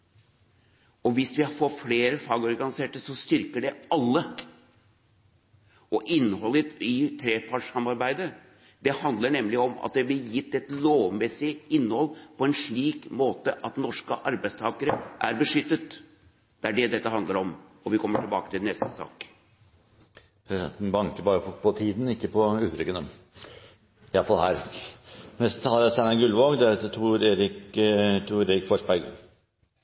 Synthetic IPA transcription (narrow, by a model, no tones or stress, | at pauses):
ɔʋɪsʋɪfɔfleːɾəfɑːɡɔɾɡɑnɪseːʈəsɔst̪ʏɾkəɖɛɑlːə | ɔʔɪnːəhɔlːət̪ɪt̪ʰɾeːpʰɑʈʂɑmːɑɾbæɪd̪ə | d̪̥ɛhɑnd̪ləɳɛmlɪɔmɑ̰t̪̚d̪ɛb̪ɪjɪt̪ːɛt̪loːʋmɛsɪɪnːəhɔlːpʰɔɛnʂɭiːkmoːt̪əʔɑt̪nɔʂkə̰ʔɑɾbæɪst̪ʰɑːkəɾəʔæɾbəʂʏt̪ːət̪ | d̪̥ɛæɖɛd̪ɛt̪ːəɦɑnd̪ləɾɔmɔʋɪkʰɔmːəʈɪlbɑ̰ːkə̥t̪ʰɪlnɛst̪ə̥sɑ̰ːk | pʰɾɛsɪd̪ɛ̰nt̪n̩bɑŋkəbɑːɾəfɔpʰɔt̪ʰiːd̪n̩ɪkːəpʰɔʉːt̪ʰɾʏkːənə | ɪɑlfɑlɦæːɾ | nɛst̪ət̪ʰɑlːæɾæsænɑɡʉlʋoːɡd̪ɛæɾɑt̪ːət̪ʰuːɾeːɾɪkt̪ʰuːɾeɾɪkfɔʂbæɡə̰